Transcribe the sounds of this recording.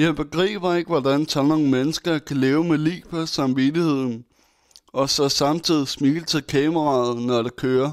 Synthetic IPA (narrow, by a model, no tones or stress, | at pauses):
jɑɪb̥e̝ɡ̥ʁḭːb̥ɐe̝ɡ̥əʋɒdænt͡sʰɒno̝n̩menəsɡ̥ɐkʰæleːʊmelḭːb̥ʰɒsɑ̈mʋidihe̝ð̰ˠn̩ | ɒ̽sɒsɑ̈mt͡sʰið̰ˠismiɡ̥l̩t͡sʰe̝lkʰɛːməʁɑ̰̈ːð̩ˠnɒɾekʰøːɐ